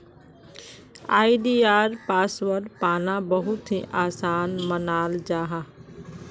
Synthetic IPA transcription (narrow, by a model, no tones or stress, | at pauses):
aːiɖiːaːɾpaːsʋəɾɖpaːnãbɐɦʊt̪iʔaːsaːnmənaːld͡ʒaːɦaː